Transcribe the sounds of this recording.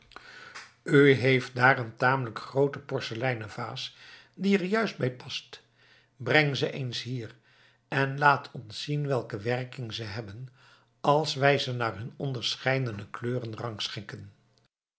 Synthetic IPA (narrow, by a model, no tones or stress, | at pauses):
yɦejft̚daːrəntaːmələkχrowtəpɔɹsəlɛjnəva̰ːs | diɛɹjœɥsd̚bɛjpɑst | brɛŋzəʔejnsɦiːr | ɛnlaːtʰɔntsinʋɛlˠkəʋɛrkɪŋzəɦɛbən | ɑlˠsʋɛjzənaːɹɦɵnɔndəɹsχɛjdənəkløːrənrɑŋksχɪŋkən